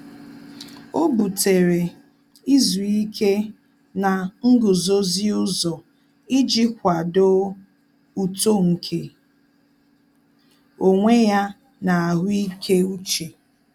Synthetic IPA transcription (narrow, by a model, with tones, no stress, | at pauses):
o˦bu˨te˨ɾe˨ | i˦zu˨i˦kʰe˦ | na˨ŋ̩˦ɡʊ˨zo˦zɪ˦ʊ˦zɔ˨ | i˦d͡ʒi˦kʷa˨do˦ | u˨to˦ŋ̩˨kʰe˨ | o˨ŋʷe˦ja˦ | na˨a˨ɦʊ˦i˦kʰe˦u˦t͡ʃe˨